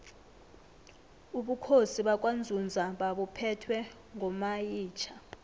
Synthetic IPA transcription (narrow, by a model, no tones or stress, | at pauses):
uɓukʰosiɓak̬ʼwand͡zʱund͡zʱaɓaɓupʰɛtʰwɛ | ŋʱɔmajiːt͡ʃʰa